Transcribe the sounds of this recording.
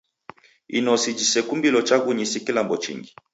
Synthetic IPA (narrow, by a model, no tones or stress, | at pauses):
ḭnɔsid͡ʒisɛkumbilɔt͡ʃaɡuɲisikilambɔt͡ʃḭŋɡi